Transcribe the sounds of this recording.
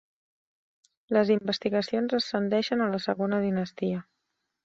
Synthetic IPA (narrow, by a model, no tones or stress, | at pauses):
ləzimbəst̪iɣəsionzəsːənd̪ɛʃənələsəɣonəðinəst̪iə